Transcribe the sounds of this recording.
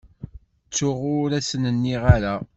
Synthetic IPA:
t͡sːʊʁʊɾæsənənːiʁaɾa

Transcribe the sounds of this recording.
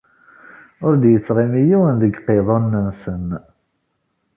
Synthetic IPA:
ʊɾd̪jət͡sːʁimijiwənðəɡqːeðˤɑnːənsən

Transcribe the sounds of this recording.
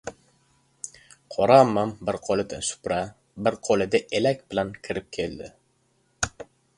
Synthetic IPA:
qʰɒɾamːambɪɾqʰolɪd̪ɪsʊ̥pɾa | bɪɾqʰolɪd̪aʔelakʲbɪlankʲʰɪɾɪp̚kʲʰeld̪ɪ

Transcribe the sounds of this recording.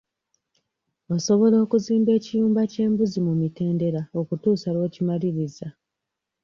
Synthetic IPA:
oso̞βo̞lo̞ːkuziːmbe̞ːcijuːmbace̞ːmbuzimumite̞ːnde̞ɾao̞kutuːsalwe̞ːcimaliɾiza

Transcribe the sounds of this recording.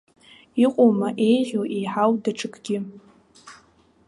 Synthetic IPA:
iqʷʼowmaʔe̞jʒʲoʔejħawdaʈ͡ʂʰʼɨkʰʼɡ̥ʲɪ

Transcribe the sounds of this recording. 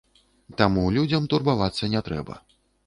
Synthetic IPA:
t̪amulʲud͡zʲɐmt̪urbavat̪sːɐnʲɛt̪ɾɛ̰bɐ̰

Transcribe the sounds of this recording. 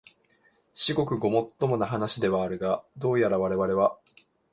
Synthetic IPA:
ɕiɡo̞kɯ̟ɡomo̞t̪ːo̞mo̞naɦanaɕid̪e̞βaːɾɯ̟ɡad̪o̞ːjaɾaβaɾe̞βaɾe̞βa

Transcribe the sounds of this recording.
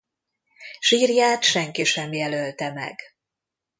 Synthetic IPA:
ʃiːrjaːt̪ʃɛŋkiʃɛmjɛlølt̪ɛmɛ̰ɡ̥

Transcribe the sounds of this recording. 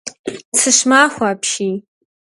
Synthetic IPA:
t͡sʰɨʃmaχʷaːpʰʃi

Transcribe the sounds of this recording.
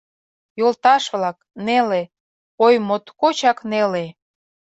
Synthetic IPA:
jolt̪ɑʃβlɑk | nele | ojmot̪kot͡ɕɑknele

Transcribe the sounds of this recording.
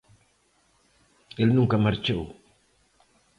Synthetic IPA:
elnũŋkamaɾt͡ʃew

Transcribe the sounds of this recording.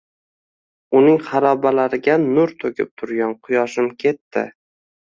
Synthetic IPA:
ʊnɪŋχɑɾɒbalaɾɪɡʲanʊɾt̪ʰɵkʲʰɪp̚t̪ʰʊɾɡʲanqʰʊjɒʃɪmkʲʰe̞t̪ːɪ̰

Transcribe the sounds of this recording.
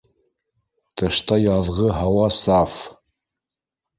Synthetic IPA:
t̪ɤ̆ʃt̪ɑjɑðʁɤɦɑwɑsɑf

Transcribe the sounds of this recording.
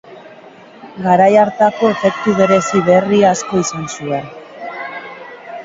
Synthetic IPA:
ɡaɾajaɾt̪ako̞e̞fe̞kt̪uβe̞ɾe̞siβe̞riaːsko̞isansue̞n

